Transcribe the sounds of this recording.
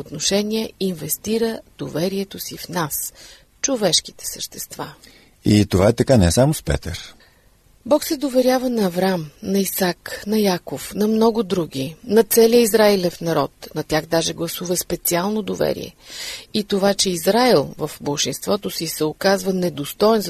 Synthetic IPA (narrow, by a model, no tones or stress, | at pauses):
ot̪noʃɛniɛinvɛst̪iɾəd̪̥ovɛɾiɛt̪osifnas | t͡ʃovɛʃki̥t̪ɛ̥səʃt̪ɛst̪va | it̪ovaɛt̪ɐkanɛsamospɛ̰t̪ə̰ɾ | bɔksɛd̪ovɛɾʲjavənɐːvɾamnɐisaknɐjakofnɐmnɔɡʊd̪ɾuɡ̟ʲinɐt̪sɛlijəizɾailɛfnɐɾɔt̪nɐt̪ʲaxd̪aʒɛɡlˠɐsuvəspɛt̪sialˠnod̪ovɛ̰ɾḭɛ̰it̪ovat͡ʃɛizɾailˠvəfbəlˠʃinst̪vɔt̪osisɛokazvənɛd̪ost̪ɔɛnz